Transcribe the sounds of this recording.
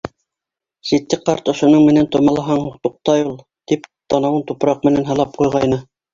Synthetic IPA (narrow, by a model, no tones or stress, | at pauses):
ʃit̪ːɘqɑɾt̪ŏʃŏnɤɴmɘ̆nænt̪ŏmɑlˠɑɦɑɴhuqt̪uq̚t̪ɑjulˠ | t̪ipt̪ɑnɑwɤnt̪upɾɑq̚mɘ̆nænɦɑ̆lˠɑp̚qujʁɑjnɤ